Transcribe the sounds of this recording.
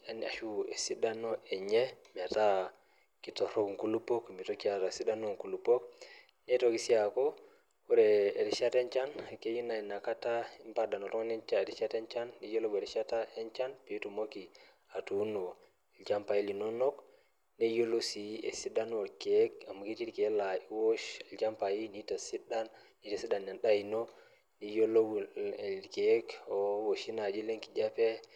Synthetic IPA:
e˨na̰˨ʃu˦e˨si˦da˦no˦e˨ɲe˦mi˨a˨ta˦ | ki˨to˨ɾo˦kŋ˨ku˦lu˦po˦kmi˨to˦ki˦a˨ta˨si˦da˦no˦ŋku˨lu˨po˦k | ne˦to˨ki˦si˦a˨ko˦ | u˦ɾe˨e˨ɾi˨ʃa˦te˦ɲt͡ʃa˦nke˦ji˦na˨i˨na˨ka˦ta˦i˦mpa˦da˨no˨to˦ŋ˦ne˦t͡ʃa˦e˨ɾi˨ʃa˦te˦ɲt͡ʃa˦nːi˦jo˦lo˦ɡe˨ɾi˨ʃa˦ta˦e˦nt͡ʃa˦npi˨˦tu˨mo˦ki˨ | a˨tunɔ | d͡ʒampaji˦linɔnɔk | nɛ˦jolosiɛ̰˨si˦danwoɾkekama˨ki˦ti˦ɾkɛ˦laiwoʃld͡ʒampajinitasidan | ni˦tasi˦danɲa˨nɗajinɔ | nijolou | kekɔwoʃinad͡ʒi˦le˦ŋkid͡ʒapɛ

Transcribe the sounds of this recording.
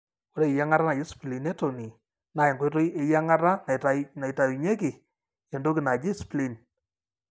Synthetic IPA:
wo˨ɾe˦˨ja˦ŋa˦ɾa˦na˨jɪ˦spli˨nɛ˦to˨ni˨ | na˨ɪ˨ŋɡo˦jto˦je˨ja˦ŋa˦ra˦na˨tana˨jta˨ɾi˨ɲe˦kɪ˨ | ɛ˨ndo˦kɪ˨na˨d͡ʒi˦sple˨n

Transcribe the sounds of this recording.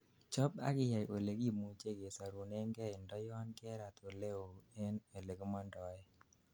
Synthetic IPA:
t͡ʃɔ˦pa̰˦kɪ˦ja˨jʔo˨le˨ɡi˦˨mu˨t͡ʃe˦ɡe˨sa˨ɾu˨ne˦ŋɡɛ˦ɪ˨ndɔ˦jnkɛ˦ɾa˨t̪o˨le˦o˨e˦ne˨le˨ɡo˦mɔ˦ndɔ˨ɛ˦

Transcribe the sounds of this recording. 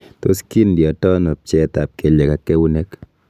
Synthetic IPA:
t̪o̰˦ski˦ndjɔ˨tɔ˦no˨p̚t͡ʃɛ˦t̪a˨p̚ke˨le˨ka˨ke˦wu˦ne˦k

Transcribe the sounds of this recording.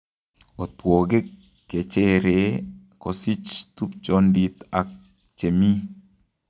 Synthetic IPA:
o˨twɔ˨ɡe˦ | kːe˨t͡ʃe˦ɾe˨ | kɔ˨si˦t͡ʃt̪u˦p̚t͡ʃɔ˦ndi˨t̪a˨k̚ | t͡ʃe˨mi˦

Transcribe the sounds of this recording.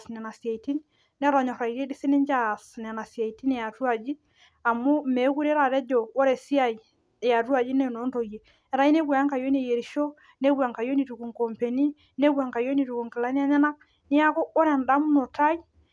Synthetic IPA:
snɛ˨na˨si˨a˨iti˦nː | ɛ˦ɾɔ˨ɲɔ˨ɾa˨i˨ɾe˦di˦se˦ne˦ɲd͡ʒa˦˨sn˨a˨na˨sia˨i˨ti˦nɛ˨ja˨tu˦a˨d͡ʒi˦ | a˨mu˦me˨˦ku˦ɾɛ˦ɾa˨ɾɛ˦d͡ʒɔ˨o˦ɾɛ˨si˦a˦i˨ | ja˨tu˦a˨d͡ʒi˦nɛ˦˨no˨˦nto˨je˨ | ɛ˨ɾa˨˦i˦ne˦ɡwa˨a˦ŋka˨jo˦n˦e˨je˨ɾi˨ʃo˦ | ne˦ɡwa˨ŋka˨jo˦ni˨tu˨ku˨ŋkɔ˨mpe˨ni˦ | ne˦ɡwa˨ŋka˨jo˦ni˨tu˨ku˨ŋke˨la˦n˦a˦ɲa˦na˦ | nɪ˦a˦kɔ˦ɔ˦ɾɛ˨nda˦mu˦no˨ta˦i˦

